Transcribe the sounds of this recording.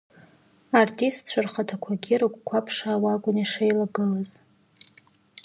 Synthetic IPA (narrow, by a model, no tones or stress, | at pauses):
artʰʼistʰt͡ɕʷʰarχatʰakʷʰaɡʲiɾɨkʷkʷʰapʰʂaːwaɡʷʊniʂejlaɡɨlaz̥